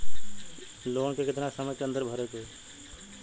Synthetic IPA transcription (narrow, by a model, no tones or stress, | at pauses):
loːɳkekɪt̪nasəməjkeə̃nd̪əɾbʱəɾek̪e